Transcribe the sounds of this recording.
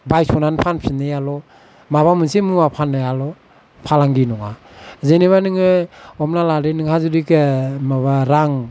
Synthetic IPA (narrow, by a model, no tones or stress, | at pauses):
bajsɔnanpʰanpʰinɯjalɔ | maβamɯnsimuapʰanɯjalɔ | pʰalaŋɡinɔŋazeneβanɯŋɯɔmnalaɾenɯŋhazudikemaβaɾaŋ